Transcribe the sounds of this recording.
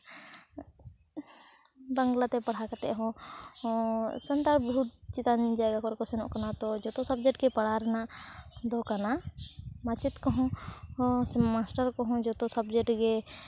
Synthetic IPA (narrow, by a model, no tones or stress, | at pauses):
bəŋɡlat̪ɛpɐɽ̤akat̪ɛɦɔ̃ | sənt̪aɾbɦut̪̚t͡ʃit̪and͡ʒaɛɡakɔɾkɔsɛnɔ̰̃ʔkanat̪ɔd͡ʒɔt̪ɔsəbd͡ʒɛʈ̚kɛpɐɽ̤aɾɛnad̪ɔkanamat͡ʃɪt̪kɔɦɔ̃ | smasʈəɾkɔɦɔ̃d͡ʒɔt̪ɔsəbd͡ʒɛʈɡɛ